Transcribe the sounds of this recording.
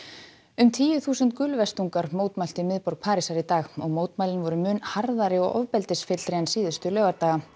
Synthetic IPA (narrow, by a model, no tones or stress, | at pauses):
ʏmt̪ʰiːjʏθuːsʏnt̪kʏlvɛst̪uŋkaɾmoːwt̪mal̥t̪imɪðpɔɾk̚pʰaːɾisaɾit̪aːɣɔɣmoːwt̪maːlɪnvɔɾʏmʏnhaɾðaɾɪɔ̰ɣɔ̰vpɛlt̪ɪsfɪt̪l̥ɾɛjansiːðʏst̪ʏlœːɣaɾt̪aːɣa